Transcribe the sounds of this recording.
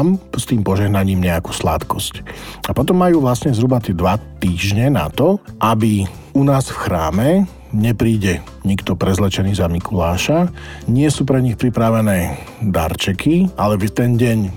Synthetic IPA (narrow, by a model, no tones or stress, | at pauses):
mst̪iːmpɔʒɛɦnaɲiːmɲɛaku̥ːsla̰t̪kɔscapɔt̪ɔmːajuːʋlasɲɛzɦɾubat̪ɪɛd̪ʋat̪iːʒɲɛna̰t̪ɔʔabi | unaːsfxɾaːmɛ | ɲɛpɾiːɟɛ | ɲikt̪ɔpɾɛzlɛt͡ʃɛniːzamikʰulaːʃaɲɪɛsuːpɾɛɲixpɾipɾaʋɛnɛː | d̪a̰ɾt͡ʃɛkʰialɛt̪ɛnɟɛɲ